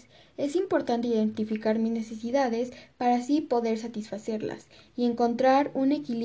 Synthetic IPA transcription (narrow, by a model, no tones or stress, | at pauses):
s | e̞simpo̞ɾt̪ant̪e̞iðe̞nt̪ifikaɾmizne̞se̞siðaðe̞spaɾasipo̞ðe̞ɾs̬at̪isfase̞ɾla̰sie̞ŋko̞nt̪ɾaɾune̞kil